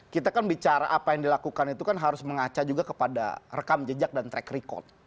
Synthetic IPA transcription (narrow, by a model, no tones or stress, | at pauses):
kit̪akanbit͡ʃaɾa̰ʔapajaŋdilakukanit̪ukanɦaɾʊsməŋat͡ʃad͡ʒuɡakəpada̰rəkamd͡ʒəd͡ʒak̚dant̪ɾɛkɾikɔ̰t̪̚